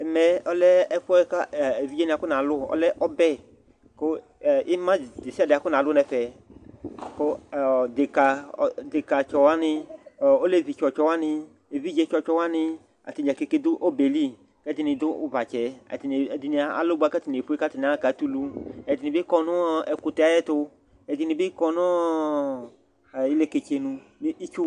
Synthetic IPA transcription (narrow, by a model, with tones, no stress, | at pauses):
ɛ˨mɛ˨ɔ˧lɛ˦ɛ˦fʊ˦ɛ˦ka˦˨e˨vi˦d͡ʒe˦nɪ˧˨a˨kʊ˦nã˨lʊ˦ɔ̰˨lɛ˦ʔɔ˦bɛ˦ | kʊ˦˨ | ɪ˦mã˦dɪ˨si˦a˦˨dɪ˨a˨kʊ˦nã˨lʊ˦nɛ˧fɛ˨ | kʊ˦˨dɪ˨ka˨dɪ˨ka˨t͡ʃɔ˨wa˦nɪ˧˨o˦le˦˨vi˨t͡ʃɔ˨t͡ʃɔ˨wa˦nɪ˧ | e˨vi˦d͡ʒɛ˧˦t͡ʃɔ˧t͡ʃɔ˦wa˦nɪ˧ | a̰˨tɪ˨ɲ˨a˨ke˧ke˧d̪ʊ˦ʔo˦be˨li˦ | kɛ˦tɪ˧nɪ̃˧d̪ʊ˦va˨t͡ʃɛ˨˦a̰˨tɛ˨dɪ˨nɪ̃˧a˨a̰˨lo˦bu˦a˧ka˦tɪ˨n˨e˨fu˦e˦ka˦tɪ˨n˨a˦˨ka˨˦t̪u˦lu˧ɛ˨dɪ˨nɪ̃˨be˦kɔ˧nʊ̃˦ɛ˧kʊ˧t̪ɛ˧a˦jɛ˦t̪ʊ˧ | ɛ˨dɪ˧nɪ˨be˦kɔ˧nɔ˦˨ | i˦le˦ke˨t͡ʃe˧nũ˧ | n˦i˦t͡ʃu˦